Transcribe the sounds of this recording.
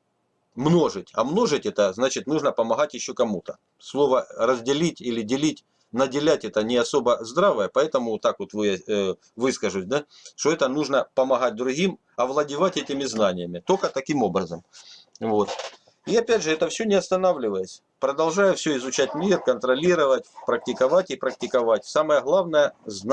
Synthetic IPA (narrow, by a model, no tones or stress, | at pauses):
mno̞ʐɨtʲɐmno̞ʐɨtʲɛt̪əznat͡ɕɪt̪nuʐnəpəmɐɣatʲjɪɕːo̞kɐmut̪ə | slˠo̞vərəzʲdʲɪlʲitʲilʲɪdʲɪlʲitʲ | nədʲɪlʲætʲɛt̪ənʲɪɐso̞bəzd̪ɾavəjəpɐɛt̪əmʊt̪ːakvo̞t̪vɨja | vɨskəʐʊsʲd̪a | ʂt̪oɛt̪ənuʐnəpəmɐɣat̚ʲd̪ɾʊɣʲim | ɐvlˠədʲɪvatʲɛtʲɪmʲɪznanʲɪjəmʲɪt̪okət̪ɐkʲimo̞bɾəzəm | vo̞t̪ | iɐpʲædʲʐɨɛt̪əfsʲɵnʲɪɐst̪ɐnavlʲɪvəjəsʲ | pɾəd̪ɐlˠʐajʊfsʲɵɪzʊt͡ɕætʲmʲirkənt̪ɾɐlʲiɾəvətʲpɾɐk̚tʲɪkɐvatʲɪpɾək̚tʲɪkɐvatʲsaməjəɣlˠavnəjəzn